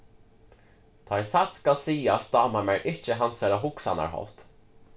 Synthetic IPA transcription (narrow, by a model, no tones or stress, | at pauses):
t̪ʰasat̪skalsiːasd̪ɑːmamɛɹʔɪt͡ʃəɦansɛlaɦʊksa̰na̰ɹɦɔ̰ft̪